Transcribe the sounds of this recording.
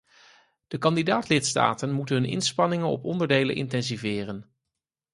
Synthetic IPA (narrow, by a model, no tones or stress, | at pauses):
d̥əkɑndidaːtlɪtsta̰ːtənmutənɦɵnɪ̰nspɑnɪŋənɔ̰pɔndəɹdejlə̰ʔɪ̰ntɛnzivɪːrən